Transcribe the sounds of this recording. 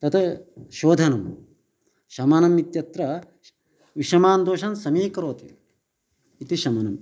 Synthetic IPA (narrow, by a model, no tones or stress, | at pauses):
t̪ɐt̪ʰɐʃoːd̪ʱɐnɐm | ʃɐmɐnɐmit̪jɐt̪ɾɐ | ʋiʃɐmaːnd̪oːʃɐnsɐmiːkɐɾoːt̪i | it̪iʃɐmɐnɐm